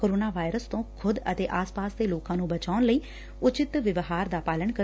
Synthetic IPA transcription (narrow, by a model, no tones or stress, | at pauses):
koːɾoːnaːʋaːɪɾəst̪õːkʰʊd̪ət̪eːʔaːspaːsd̪eːloːkãːnũːbət͡ʃaːʊnləiː | ʊt͡ʃɪt̪ʋɪʋɦaːɾd̪aːpaːləɳkə